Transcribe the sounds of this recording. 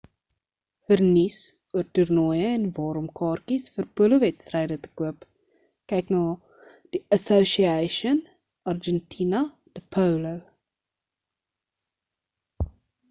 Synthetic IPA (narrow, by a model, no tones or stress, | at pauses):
fərnis | uərturnɔjəɛnvɑːɾəmkɑːrkisfərpuələvɛtstrɛjdətə̥kuəp | kɛjknɑː | d̥iəsoʃiɛʃən | ɐrd͡ʒɛntʰinɐ | d̥əpʰəwləw